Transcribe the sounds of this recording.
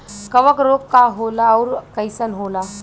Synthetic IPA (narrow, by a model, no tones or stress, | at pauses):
kəʋəkɾokːaɦolauɾkəjsənɦola